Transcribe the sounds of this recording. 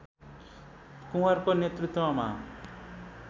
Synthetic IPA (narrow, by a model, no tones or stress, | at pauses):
kũaɾkonet̪ɾut̪wama̰